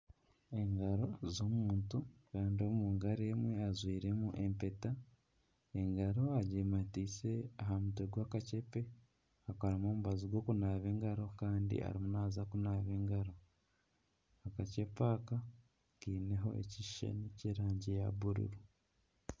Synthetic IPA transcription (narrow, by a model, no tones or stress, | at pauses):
e̞ŋɡaɾo̞zomuːntukaːndio̞muːŋɡaɾeːmwe̞azwiːɾe̞muʔe̞mpe̞ta | eŋɡaɾo̞aɟematiːse̞aɦamuteɡwaːkace̞pe̞ | akaɾamo̞ːmuβaziɡwo̞ːkunaːβe̞ːŋɡaɾo̞kaːndḭʔa̰ɾimunaːzakunaːβe̞ːŋɡaɾo̞ | akace̞paka | kiːneɦo̞̰ʔḛciʃa̰niceɾaːɲɟejaβuɾṵɾu